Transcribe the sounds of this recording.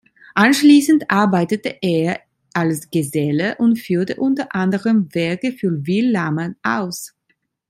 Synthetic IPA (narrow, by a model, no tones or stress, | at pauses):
ʔanʃliːsn̩tʔaɐbaɪtətəʔeːɐ | ʔalsɡ̥ezɛləʔʊntfyːɐtəʔʊntɐʔandəʁəmvɛɐkəfyːviːlːamənʔa̰ʊs